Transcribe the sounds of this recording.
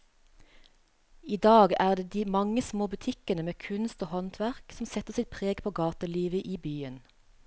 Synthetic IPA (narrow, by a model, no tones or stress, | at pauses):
iːd̪ɑːɡæːʁd̪eːd̪iːmɑŋəsmoːbʉt̪ʰɪkənəmeːkʰʉnst̪oːhɔnt̪ʰʋæʁksm̩sɛt̪əʁsɪt̪̚pʰʁeːɡpʰoːɡɑːt̪əliːʋəʔiːbyːən